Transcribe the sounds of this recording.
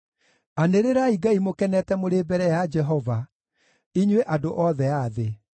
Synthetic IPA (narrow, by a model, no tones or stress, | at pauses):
aneɾeɾaiɡaimokɛnɛtɛmoɾebɛɾɛjad͡ʒɛɦɔva | iɲweʔadoʔɔðɛaðe